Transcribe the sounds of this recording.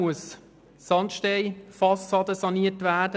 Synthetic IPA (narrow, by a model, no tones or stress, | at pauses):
uəsː | ɑntʃteɪfɑsɑdəsɑniːətʋæːdə